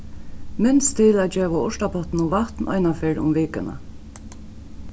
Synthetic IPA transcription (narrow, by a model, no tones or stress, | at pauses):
mɪnst̪ʰːɪlæd͡ʒeːʋaʊʂtapʰɔt̪nʊʋaht̪nʔɑ̰ɪnafeɹʊ̰mʋeːkəna̰